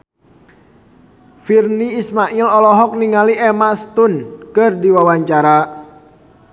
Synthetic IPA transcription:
firniːsmaʔilɔlɔɦɔk̚niŋaliɛmast̪unkɨrdiwawaɲt͡ʃaɾa

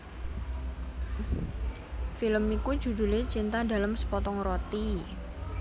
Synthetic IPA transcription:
filəmiku̥d͡ʒud̪ṳlet͡ʃint̪ada̤lamsə̥pɔt̪ɔŋrot̪i

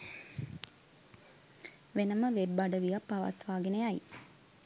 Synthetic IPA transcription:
ʋenəməʋebːaɖəʋijapːaʋa̰t̪ʋaːɡenejaj

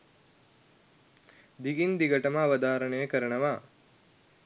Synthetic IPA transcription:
d̪iɡind̪iɡɐʈɐməːʋɐd̪aːɾəɳəjəkəɾəɳəʋaː

